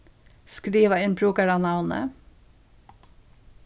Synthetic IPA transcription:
skɾiːʋəɪnpʰɾuːkəɾɑnɑʋnə̰

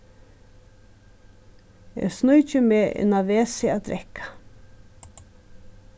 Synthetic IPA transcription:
ḛːsnujt͡ʃəmeːʔɪ̰naʋeːsɪad̪ɾɛkʰḁ

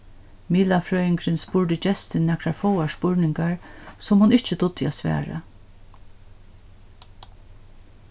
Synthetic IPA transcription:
miːlafɾœːɪŋkʰɾɪnspʊɹdɪt͡ʃɛst̪ɪnːɛkʰɾaɹfɔwaspʊɹnɪŋkaɹsɔmhʊnɪht͡ʃət̪ʊt̪ːɪɛ̰sʋæ̰ːɹa̰

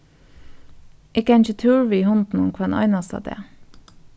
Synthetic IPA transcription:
ʔɪkəɛɪnçət̪ʰʉːɹʋiːhɔnd̪n̩ɔŋkʰʋɑnʔɑ̰ɪnɑst̪ɑ̰ːd̪ḛː

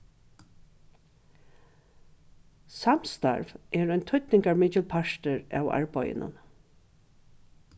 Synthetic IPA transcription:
samst̪a̰ɹvɛːɹɔjnt̪ʰʊt̪nɪŋkaɹmɪːt͡ʃɪlpʰaʂt̪əɹa̰wa̰ɹpɔjɪ̰nʔʊ̰n

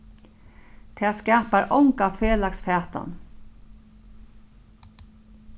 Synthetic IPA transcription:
t̪ʰeːskaːpaɾʔɔŋkafeːlaksfɛːt̪a̰n

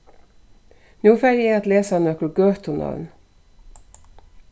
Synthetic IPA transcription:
nuːfæɾeːɑt̪leːsɑnœkəlɡøːt̪ʰʊnɑ̰ʋn

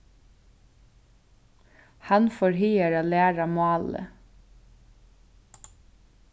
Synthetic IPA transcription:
hɑnfɔɹhyːəɹɑlæːɹɑmɑːlə̰

